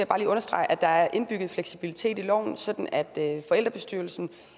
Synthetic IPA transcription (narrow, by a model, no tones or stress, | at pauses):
jb̥ɑ̈ːliːɔ̽nɐsd̥ʁɑ̈ɪ̰ʔæd̥ɑ̈æɐʔe̝nb̥yɡ̥ð̞̩ˠfleɡ̥sib̥ilit͡sʰe̝̰ːd̥ilɒ̰ʊ̰nsɒ̽d̥n̩æd̥fɒ̽el̰d̥ʁɐb̥e̝sd̥yɐl̩sn̩